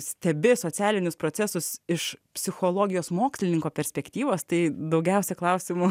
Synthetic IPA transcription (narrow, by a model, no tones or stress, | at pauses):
sʲt̪ʲɛbʲɪsoːt͡s̪ʲæːlʲɪnʲʊspɾoːt͡ssʲɛsʊsɪʃpʲsʲɪxoːlˠoːɡʲɪjoːsmoːksʲlʲɪnʲɪŋkoːpʲɛɾʲsʲpʲɛkt̪ʲiːʋoːst̪ɐɪd̪ɐʊɡʲɛʊsʲɛklˠɐʊsʲɪmʊ